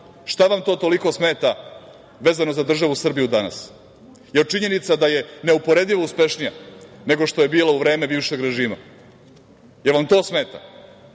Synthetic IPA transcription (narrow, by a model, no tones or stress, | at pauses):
ʃt̪aʋamt̪o̞ːt̪o̞liko̞sme̞ːt̪a | ʋeːzanozad̪r̩ʒaʋusr̩bijud̪ana̰s | jet͡ʃiɲe̞nit̪sad̪aje̞ne̞upo̞ɾe̞d̪ʎiʋouspe̞ʃnija̰ne̞ɡo̞ʂt̪o̞je̞biːlauʋɾe̞ːme̞biːʋʃe̞ɡɾe̞ʒiːma̰ | je̞ɾʋamt̪o̞ːsme̞ːt̪a̰